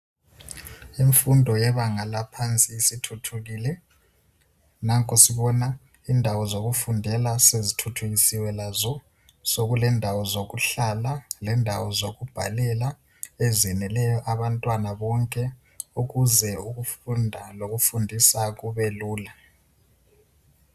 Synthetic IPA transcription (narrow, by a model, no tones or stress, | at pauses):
iɱfundʱɔjɛβaŋalapʰant͡sʼiːsitʰutʰuɣilɛ | naŋkʼosiβɔna | indʱawɔzoɣufundʱɛlasezitʰutʰuɣisiwɛlazɔ | soɣulɛndʱawɔzoɣuɬalalɛndʱawɔzoɣub̥ʱalɛla | ezɛnɛlɛjɔʔaβantʼwanaβɔŋkʼɛ | uɣuzɛuɣufundʱaloɣufundʱisaɣuβɛluːla